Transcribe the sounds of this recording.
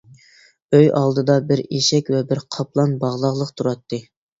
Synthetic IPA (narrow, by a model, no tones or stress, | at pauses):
øjɑlˠd̪ɨd̪ɑbɪɾeʃɛkʲvɛbɪɾqʰɑplˠɑnbɑʁlˠɑʁlˠəqt̪ʰuɾɑt̪ʰːɨ